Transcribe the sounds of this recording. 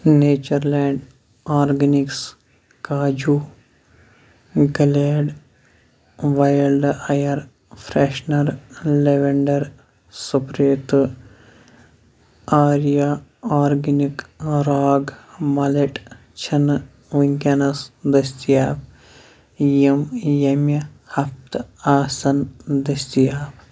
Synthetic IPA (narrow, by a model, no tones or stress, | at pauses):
neːt͡ʃɐɾleːɳɖ | aːɾɡɐniks | kaːd͡ʒuː | ɡɐleːɖ | ʋaːjɐlɖɐjɐɾ | pʰɾeːʃnɐɾleʋeɳɖɐɾ | supɾeːt̪ | aːɾijaaːɾɡɐnikɾaːɡmɐleʈ | t͡ʃʰɐn | ʋuŋkʲanɐsd̪ɐst̪ijaːb | jimjɐmjɐhɐpt̪aːsɐnd̪ɐst̪ijaːb